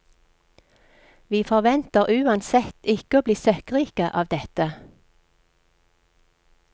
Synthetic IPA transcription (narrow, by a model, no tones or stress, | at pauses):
ʋiːfɔʁʋɛnt̪əʁʔʉːɑnsɛt̪ɪkəoːbliːsœkʁiːkəʔɑːʋd̪ɛt̪ə